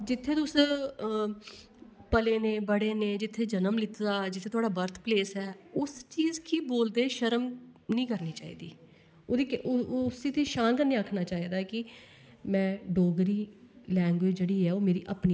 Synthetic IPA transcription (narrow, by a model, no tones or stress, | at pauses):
d͡ʒɪt̪ʰːeːt̪ʊs | pəleːnẽːbəɽeːnẽːd͡ʒɪt̪ʰːeːd͡ʒənəmlɪt̪d̪aːd͡ʒɪt̪ʰːeːt̪ʊaːɖaːbəɾt̪ʰpleːsɛːʊst͡ʃiːzkiːboːld̪eːʃəɾəmnĩːkəɾniːt͡ʃaːḭːd̪ḭː | oːd̪ikʊsiːt̪eːʃaːnkəɾnĩːakʰnaːt͡ʃaːiːd̪aːkɪ | mɛ̃ːɖoːɡɾiːlɛ̃ːŋɡʋeːd͡ʒd͡ʒeːɽiːɛːoːmeːɾḭːʔəpniː